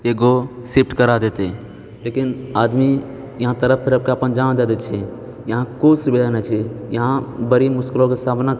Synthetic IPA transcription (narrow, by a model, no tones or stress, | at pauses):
eɡo | sip̚ʰʈkəɾad̪et̪e | lekinaːd̪mi | jɐɦãt̪əɾəp̚ʰt̪əɾəp̚ʰkeəpənd͡ʒañd̪ad̪et͡ʃʰɛ | jɐɦãkosbilanat͡ʃʰijəɦãbəɾimʊʃkɪlõkesaːbna